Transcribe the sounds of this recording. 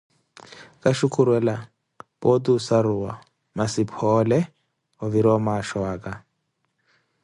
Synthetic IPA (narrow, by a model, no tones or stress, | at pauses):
kʼaʃukʰʼuɾwɛla | pʼotusaɾuwa | masipʰɔlɛ | ɔβiɾɔmaʃwaːkʼa